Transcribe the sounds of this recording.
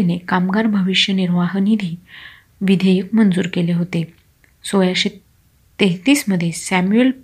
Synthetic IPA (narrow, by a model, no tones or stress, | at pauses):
enekamɡaɾbʱəʋiɕjəniɾʋaɦnid̪ʱi | ʋid̪ʱəjəkmənd͡zuːɾkeleɦot̪e | sojaɕe | t̪eɦt̪iːsməd̪ʱːjesæmuel